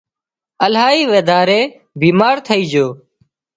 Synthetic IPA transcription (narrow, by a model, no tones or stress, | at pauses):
əlɦaːiːʋeːd̪ʱaːɾeː | biːmaːɾt̪ʰəiːd͡ʒoː